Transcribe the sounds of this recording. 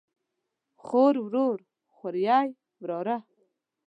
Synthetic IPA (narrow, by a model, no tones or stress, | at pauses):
χoːɾwɾoːɾ | xaɾjɑːj | wɾoːɾa